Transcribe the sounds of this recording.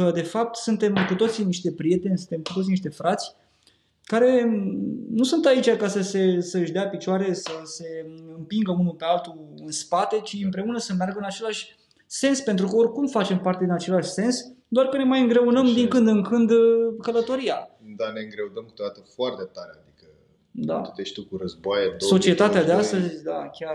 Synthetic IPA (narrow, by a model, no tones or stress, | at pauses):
əd̪e̞fap̚t̪sunt̪e̞mkut̪o̞t̪siniʃt̪e̞pɾije̞t̪e̞nʲsɨnt̪e̞mkut̪ot̪siniʃt̪e̞fɾat̪sʲ | kaɾe̞ | nusunt̪ait͡ʃʲakasəse̞səɨʃʲd̪eapit͡ʃoaɾe̞səse̞ɨmpiŋɡəunupe̞alt̪uɨnspat̪e̞t͡ʃiɨmpɾe̞unəsəmearɡəɨnat͡ʃe̞laʃʲ | se̞nspe̞nt̪ɾukəorʲkumfat͡ʃe̞mpart̪ed̪inat͡ʃe̞laʃʲse̞nsd̪oarkəne̞majɨŋɡɾe̞unəmd̪iŋkɨnd̪ɨŋkɨnd̪kələt̪o̞ɾiad̪ane̞ɨŋɡɾeunəmkɨ̥t̪od̪at̪əfoart̪et̪aɾea̰d̪ikə | d̪a̰t̪ut̪eʃt̪ukuɾəzboajeso̞t͡ʃie̞t̪at̪ead̪east̪əzʲd̪akʲar